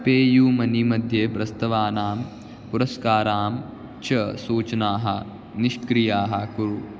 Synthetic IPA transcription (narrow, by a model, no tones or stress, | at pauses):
peːjuːmɐnimɐd̪ʱjeːpɾɐst̪ɐʋaːnaːm | puɾɐskaːɾaːm | t͡ʃɐsuːt͡ʃɐnaːɦɐ̰̆ | niʃkɾijaːɦɐkuɾu